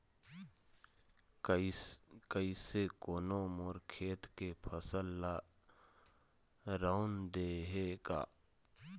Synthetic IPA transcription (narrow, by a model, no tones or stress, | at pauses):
kəisekoːnomoːɾkʰeːt̪kepʰəsəlːa | ɾawnd̪eɦeka̰ː